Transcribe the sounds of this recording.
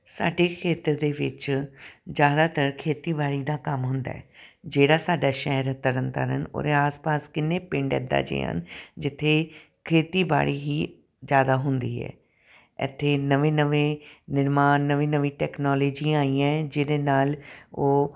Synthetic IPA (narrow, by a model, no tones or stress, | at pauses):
sa̰ːɖeːkʰeːt̪əɾd̪eːʋɪ̰t͡ʃ | d͡ʒjaːd̪aːt̪əɾkʰeːt̪iːbaːɽiːd̪aːkəmɦʊ̃nd̪a̰ːɛːd͡ʒeːɽaːsaːɖaːʃɛɦəɾt̪əɾənt̪a̰ːɾəno̰ːɾẽaːspaːskɪnːeːpɪ̃ɳɖɛ̰ːd̪a̰ːd͡ʒḛːɦə̰nd͡ʒɪt̪ʰːeː | kʰeːt̪iːba̰ːɽiːɦiː | zjaːd̪aːɦʊnd̪iːɛ̰ː | ɪ̰t̪ʰːeːnəʋẽːnəʋẽːnɪɾmaːnːəʋĩːnəʋĩːʈɛːknɔːloːd͡ʒĩːaːiːãːɛd͡ʒɪɽeːnaːloː